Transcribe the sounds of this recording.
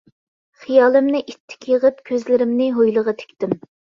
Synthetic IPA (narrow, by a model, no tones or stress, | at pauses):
χijɑːlˠɨmnɪʔit̪ʰːɪ̥kʲjəʁəpkʲʰøzlɪɾɪmnɪɦojlˠəʁɑt̪ʰe̥kʲt̪ɪm